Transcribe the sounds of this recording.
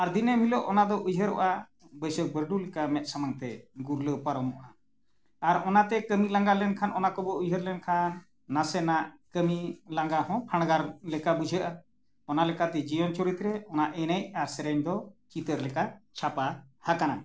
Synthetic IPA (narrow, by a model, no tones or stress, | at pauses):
aɾd̪inəmilɔʔɔnad̪ɔʔujɦəɾɔ̰ʔa | bəjsək̚bəɾɖulɛkamɛt̪̚ˀsamaŋt̪ɛɡuɾləpaɾɔmɔʔa | aɾɔnat̪ɛkəmilaŋɡalɛnkʰanɔnakɔbɔujɦəɾlɛnkʰanː | asɛnaʔkəmilaŋɡahɔ̃pʰaɽ̃ɡaɾlɛkabud͡ʒʱəʔa | ɔnalɛkat̪ɛd͡ʒijɔnt͡ʃɔɾit̪ɾɛɔnaʔɛnəc̚aɾsɛɾɛɲd̪ɔt͡ʃit̪əɾlɛkat͡ʃʰapahakana